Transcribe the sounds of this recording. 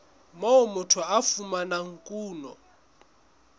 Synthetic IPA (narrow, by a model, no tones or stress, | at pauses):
mɔɔmʊtʰwaafumanaŋ̩kʼuːnɔ